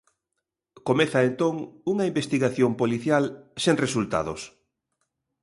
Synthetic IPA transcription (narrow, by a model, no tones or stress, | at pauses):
komeθɐent̪oŋuŋɐimbest̪iɣaθjompoliθjalseŋresult̪a̰ðos